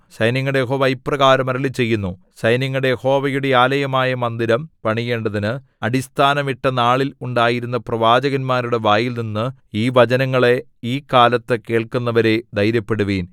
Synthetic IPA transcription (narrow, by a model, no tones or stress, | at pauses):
ɕɐjniŋːɐɽejeɦoːʋɐjprɐɣaːɾɐmɐɾɐɭit͡ɕe̞jːunːu | ɕɐjniŋːɐɽe̞jeho̞ːʋɐjuɽe̞aːlɐjɐmaːjɐmɐnd̪iɾɐmpɐɳije̞ːɳɖɐðinɨ | ɐɽist̪ʰaːnɐmiʈːɐnaːɭiluɳɖaːjiɾunːɐprɐʋaːd͡ʑɐɣɐnmaːɾuɽe̞ʋaːjilninːɨiːʋɐd͡ʑɐnɐŋːɐɭe̞ | iːkaːlɐt̪ːɨke̞ːɭkunːɐʋɐɾe̞d̪ɐjɾɐpːe̞ɽuʋiːn